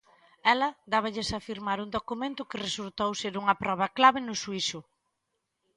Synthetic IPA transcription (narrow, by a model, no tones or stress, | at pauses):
ɛlɐd̪aβɐʎɪsafiɾmaɾund̪okumẽnt̪ʊkɪresult̪owseɾuŋɐpɾɔβ̞ɐklaβɪnʊsuiʃʊ